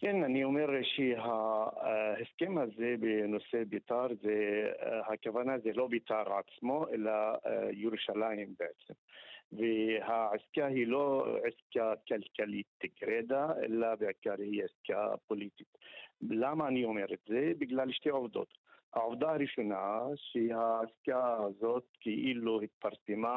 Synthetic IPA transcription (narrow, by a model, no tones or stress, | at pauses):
kɪnːaniʊmɪɾʃiɦa | hɪskemazeːbɪnʊsebit̪ˤɑːɾˤzehakavanazelobit̪ˤɑːɾˤʕat̪ɪ̥smoʔɪlːajʊɾuʃalajɪmbɪʕɪt̪ɪmvɪhaʕɪskaɦiːloʕɪskakalkaliːt̪ːɪɡɾed̪aʔɪ̰lːabɪʕkaɾhiːʕɪska̰polit̪it̪lamaniʊmeɾɪt̪zebɪɡlaːlʃt̪eːʕofd̪o̰ːt̪haʕofd̪aɾɪʃonaʃihaʕɪskazoːt̪kiʔiːlːuhɪt̪fɑɾˤsɪma